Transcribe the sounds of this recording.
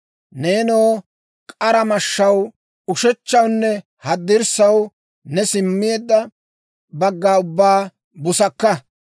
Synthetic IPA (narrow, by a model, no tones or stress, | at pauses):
neːnoː | kʼɐɾɐmɐʃːɐw | ʊʃɛt͡ʃːɐwnːɛ | hɐd̪ːɪɾsɐw | nɛsɪmːɪjeːd̪ːɐ | bɐɡːaːʊbːaː | bʊsɐkːɐ